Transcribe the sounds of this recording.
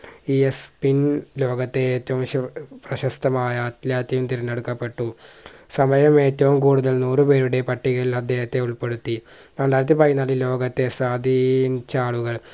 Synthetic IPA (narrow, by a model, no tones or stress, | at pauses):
iespinlo̞ːɡɐt̪ːe̞eːtːɐʋumɕɐprɐɕɐst̪ɐmaːjɐːt̪lʲjaːt̪jɐjumt̪iɾɐnːeɽukːɐpːe̞ʈːusɐmɐjɐme̞ːtːɐʋumkuːɽuðɐlnuːrɨpe̞ːɾuɽe̞pɐʈːiɣɐɭilɐd̪ʱːje̞ːhɐt̪ːe̞uɭpe̞ɽut̪ːi | naːɖaːjɾɐt̪ːɨpɐjinːaːlilo̞ːɡɐt̪ːe̞sʋaːd̪ʱint͡ɕaːɭuɣɐɭ